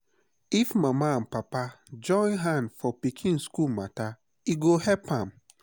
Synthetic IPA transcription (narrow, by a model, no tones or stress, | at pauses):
ifmãmããnpapa | d͡ʒɔ̃ɪ̃nɦãnfɔpikʰĩnskulmãta | iɡohɛpʰãm